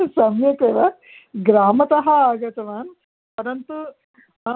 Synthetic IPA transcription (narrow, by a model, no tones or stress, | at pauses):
sɐmjɐkeːʋɐ | ɡɾaːmɐt̪ɐɦɐaːɡɐt̪ɐʋaːn | pɐɾɐnt̪u